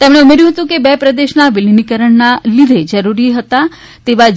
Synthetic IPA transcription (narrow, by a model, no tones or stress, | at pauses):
t̪emɽ̃eumeɾjũɦət̪ũkebɛpɾəd̪eʃnaʋilinikəɾəɳnalid̪ʱed͡ʒəɾuɾiɦət̪a | t̪eʋa